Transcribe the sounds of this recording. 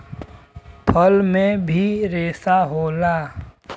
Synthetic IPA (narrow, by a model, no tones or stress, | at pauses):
pʰəlmẽbʱiɾeːsaɦoːlaː